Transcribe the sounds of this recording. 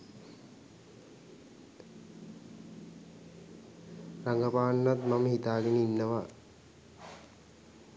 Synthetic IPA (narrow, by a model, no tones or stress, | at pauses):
raŋɡəpaːnːat̪maməhit̪aːɡenəinːəʋa